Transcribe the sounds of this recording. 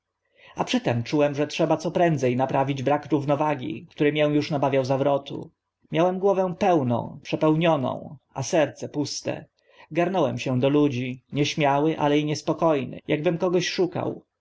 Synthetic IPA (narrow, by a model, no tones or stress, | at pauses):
apʂɘt̪ɛmt͡ʂuwɛmʐɛtʂɛbat̪sɔpɾɛnd̪zɛjnapɾʔavʲid͡ʑbɾakɾuvnɔvaɡʲḭkt̪uɾɘmʲjɛw̃juʂnabavʲjawzavɾɔt̪ṵ | mʲjawɛmɡwɔvɛw̃pɛwnɔ̰̃w̃pʂɛpɛwɲɔnɔ̰̃w̃asɛɾt̪sɛpust̪ɛ̰ | ɡaɾnɔwɛmɕɛ̃d̪ɔlud͡ʑiɲɛɕmʲjawɘʔa̰lɛiɲɛspɔkɔjnɘ̰jaɡ̚bɘmkɔɡɔɕʂuka̰w